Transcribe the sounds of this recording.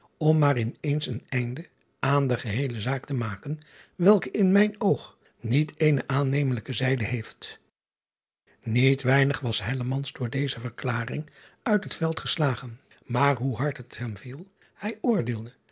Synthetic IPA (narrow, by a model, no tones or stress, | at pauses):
ɔmːaːrɪnejnsənɛjndə | ʔaːndəχəɦejləzaːktəmaːkənʋɛlˠkəɪnmɛjnowχ | nitʰejnəʔaːnejmələkəzɛjdəɦejft | nitʋɛjnəχʋɑsɦɛləmɑnzdʊːɹdejzəvəɹklaːrɪ̰ŋ | œɥtɦətfɛlˠtχəslaːχən | maːɹɦuɦɑɹtɦətɦɛmvilˠ | hɛjʊːɹdɪːlˠdə